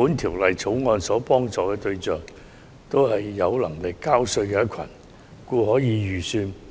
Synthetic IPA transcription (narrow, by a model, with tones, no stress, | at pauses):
uː˨˥nt̪ʰiː˨˩wlɐ˨jt͡sʰo˨˥wŋɔː˧nsɔː˨˥pɔː˥ŋt͡sɔː˨kɛː˧t̪ɵ˧ɥt͡sœː˨˩ŋ | t̪o˥whɐ˨jːɐ˨˧wlɐ˨˩ŋlɪ˨kːaː˥wsɵ˧ɥkɛː˧jɐ˥kʰɐ̰˨˩n | kuː˧ɦɔː˨˥jiː˨˧ɥyː˨˩syː˧n